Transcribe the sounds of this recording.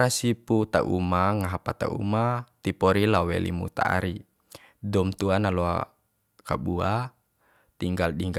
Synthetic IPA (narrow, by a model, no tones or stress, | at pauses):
ɾasiput̪a̰ʔumaŋaɦapat̪a̰ʔṵmat̪ipɔɾilawɛ̰lḭmṵt̪a̰a̰ɾi | dɔmt̪uanalɔa̰ | kabua | t̪iŋɡalɗiŋɡ